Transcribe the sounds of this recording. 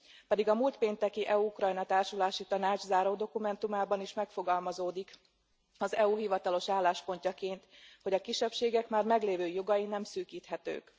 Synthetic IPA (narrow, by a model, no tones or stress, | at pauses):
pɛd̪iɡɒmuːlt̪peːnt̪ɛkiʔɛuukrɒjnɒt̪aːrʃulaːʃit̪ɒnaːd͡ʒzaːɾoːd̪o̞kumɛnt̪umaːbɒniʃmɛkfo̞ɡɒlmɒzoːd̪ik | ɒzɛuɦivɒt̪ɒlo̞ʃaːlːaːʃpo̞ɲcɒkeːnt̪ho̞ɟɒkiʃːɛpʃeːɡɛkmaːrmɛɡleːvøːjo̞ɡɒjinɛmsyːkiːt̪hɛt̪ø̰ːk